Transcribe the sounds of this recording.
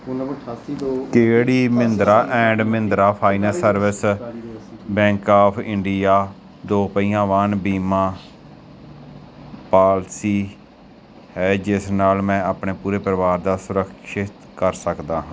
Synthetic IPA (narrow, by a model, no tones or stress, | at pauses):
keːɽiːmɪnd̪ɾaːʔɛ̃ːɳɖmɪnd̪ɾaːpʰaːinəlsəɾʋɪs | bɛ̃ːŋkaːpʰɪ̃ɳɖijaː | d̪oːpəiːjãːʋanbiːmãː | paːlsiː | hɛːd͡ʒɪsnaːlmɛ̃ːaːpɳeːpuːɾeːpɾəʋaːɾd̪aːsʊɾəkʃɪt̪ | kəɾsəkd̪aːɦãː